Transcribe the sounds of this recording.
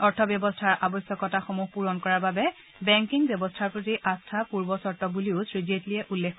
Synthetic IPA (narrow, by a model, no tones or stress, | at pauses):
ɔɹtʰɔbjɔbɔstʰaɹʔabɔsjɔkɔtaxɔmuxpuɹɔnkɔɹaɹbabɛ | bɛŋkiŋbjɔbɔstʰaɹpɹotiʔastʰapuɹbɔsɔɹtɔbuliʊsɹizietlijɛʔulːekʰː